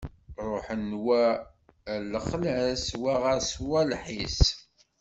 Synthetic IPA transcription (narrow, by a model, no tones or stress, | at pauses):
ɾˤoħənːwæ | ləχlæswæʁæswælħis